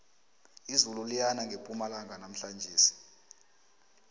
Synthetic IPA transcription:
izululijanaŋɡʱepʼumalaŋɡʱanam̩ɬand͡ʒʱiːsi̥

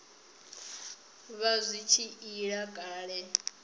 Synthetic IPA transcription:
βazʷit͡ʃʰiiɺakʼaːɺɛ

